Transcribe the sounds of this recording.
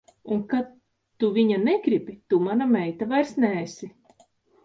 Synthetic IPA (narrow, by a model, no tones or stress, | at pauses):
unkatː | uviɲanɛɡɾibʲit̪umanamɛjt̪avajɾsnɛːsi